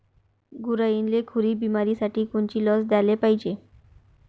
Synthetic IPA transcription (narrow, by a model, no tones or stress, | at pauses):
ɡuɾajinlekʰuɾiːbimaɾiːsaʈʰiːkuɳt͡ɕiːlɔsd̪alepaɦid͡ʑe